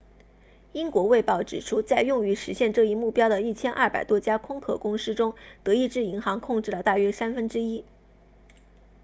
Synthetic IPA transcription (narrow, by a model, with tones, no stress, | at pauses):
i˥ŋkwɔ˧˥we˥˧ɪpɑ˥˩ʊʈ͡ʂɻ̩˨˩ʈ͡ʂʰu˥t͡sa˥˧ɪjʊ˥˩ŋy˧˥ʂɻ̩˧˥ɕjɛ˥˧nʈ͡ʂɤ˥˧i˥˧mu˥˩pjɑ˥ʊd̪ə˨i˥˩t͡ɕʰjɛ˥nʔɐ̰˥˩pa˨˩ɪt̪wɔ˥t͡ɕja˥kʰʊ˥ŋkʰɤ̰˨˩kʊ˥ŋʂɻ̩˥ʈ͡ʂʊ˥ŋt̪ɤ˧˥i˥˧ʈ͡ʂɻ̩˥˩i˧˥ŋxɑ˧˥ŋkʰʊ˥˧ŋʈ͡ʂɻ̩˥˩lə˩t̪a˥˩ɥɛ˥sa˥nfə˥nʈ͡ʂɻ̩˥i˥